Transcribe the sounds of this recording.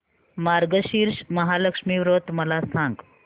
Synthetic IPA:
maɾɡəɕiɾʂməɦaləkʂmiːʋɾot̪məlasãŋɡ

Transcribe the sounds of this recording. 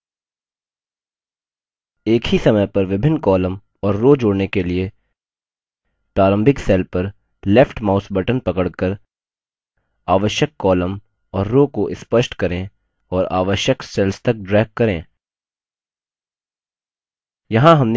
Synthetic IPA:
eːkhisɐməjpɐɾʋɪbʱɪnːkɔːləm | ɔːɾːoːd͡ʒoːɽnekelie | pɾaːɾə̃mbʱɪksɛːlpɐɾ | lɛfʰʈmaːʊsbɐʈənpɐkəɽkəɾ | aːʋəʃjəkːɔːləm | ɔːɾːoːkoʔɪspəʃʈkɐɾẽ | ɔːɾa̰ːʋəʃjəksɛːlst̪ɐk̚ɖɾɛːɡ̚kːɐɾẽː | jɐɦãɦɐmn

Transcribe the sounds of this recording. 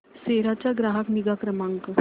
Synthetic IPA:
seɾat͡ɕaɡɾaɦəkniɡakɾəmãŋkə

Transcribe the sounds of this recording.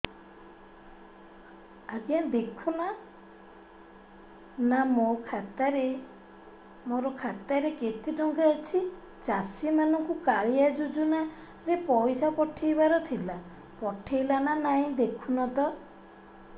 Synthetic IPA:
aɡiad̪ekʰuna | namokʰat̪aɾe | moɾɔkʰat̪aɾeket̪ʰiʈɔŋkaet͡ʃʰi | t͡ʃasimanɔŋkukaɭiad͡ʒud͡ʒuna | ɾepɔjsapɔʈʰijbaɾɔt̪ʰila | pɔʈʰijlananaĩd̪ekʰunɔt̪ɔ

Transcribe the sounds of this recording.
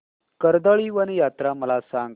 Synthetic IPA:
kəɾd̪əɭiːʋəñijat̪ɾaməlasãŋɡ

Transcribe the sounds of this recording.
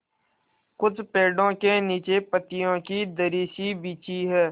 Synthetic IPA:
kʊt͡ʃpeːɖõkeniːt͡ʃepət̪ijõkid̪əɾiːsibiːt͡ʃiɦɛː

